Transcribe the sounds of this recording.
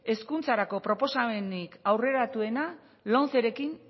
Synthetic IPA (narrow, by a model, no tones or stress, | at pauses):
e̞skunt͡saɾako̞pɾo̞po̞same̞nikawre̞ɾat̪ue̞na | lo̞nθe̞ɾe̞kin